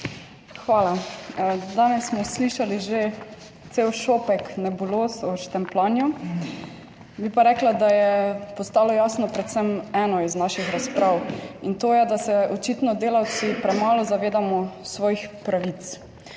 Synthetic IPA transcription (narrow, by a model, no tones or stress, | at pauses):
xʋaːla | d̪aːnɛsːmɔsliʃaliʒe | t̪seːwʃopɛknɛbuloːsɔʃt̪ɛmplaːnju | bipaɾɛklad̪ajɛpɔst̪aːlɔjaːsnɔpɾɛt̪sɛmɛːnɔiznaʃixɾaspɾaːwint̪oːjɛd̪asɛʔɔt͡ʃit̪nɔd̪eːlaw̪sipɾɛmaːlɔzaʋeːd̪amɔsʋɔːjixpɾaʋit̪s